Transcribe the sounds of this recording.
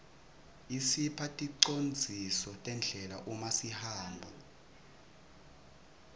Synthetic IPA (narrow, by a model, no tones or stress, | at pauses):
isipʰatʼiǀond͡zʱisɔtʼɛnd͡ɮʱɛla̰ʔumasihaːmbʱa